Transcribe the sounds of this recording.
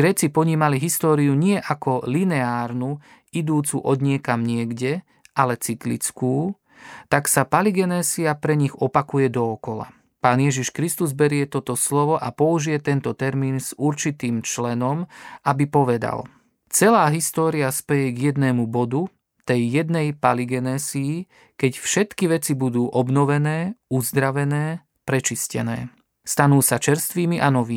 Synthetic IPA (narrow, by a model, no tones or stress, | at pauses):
ɡɾɛːt͡sipɔɲiːmaliɦist̪ɔːɾiuɲɪɛʔakɔlinɛaːɾnu | id̪uːt͡suʔɔd̪ɲɪɛkamɲɪɛɡɟɛ | ʔalɛt͡sik̪lḭt͡skuː | t̪aksapaliɡɛnɛːsiapɾɛɲiɣɔpakujɛd̪ɔːkɔla̰ | paːnjɛʒiʃkɾist̪uzbɛɾɪɛt̪ɔt̪ɔslɔʋɔʔapɔuʒijɛt̪ɛnt̪ɔt̪ɛɾmiːnz̥uɾt͡ʃit̪iːmt͡ʃlɛnɔmʔabipɔʋɛd̪a̰l | t͡sɛlaːɦist̪ɔːɾiaspɛjɛɡjɛd̪nɛːmubɔd̪u | t̪ɛjːɛd̪nɛjpaliɡɛnɛːziː | kɛcfʃɛt̪kiʋɛt͡sibud̪uːʔɔbnɔʋɛnɛːuzd̪ɾaʋɛnɛː | pɾɛt͡ʃiscɛ̰nɛ̰ː | st̪anuːsat͡ʃɛɾst̪ʋiːmiʔanɔʋiː